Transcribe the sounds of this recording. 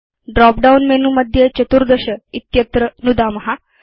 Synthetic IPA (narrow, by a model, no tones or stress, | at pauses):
ɖɾɔp̚ɖaunmenuməd̪ʱjet͡ɕət̪uɾd̪əɕəit̪jət̪ɾənud̪aməɦa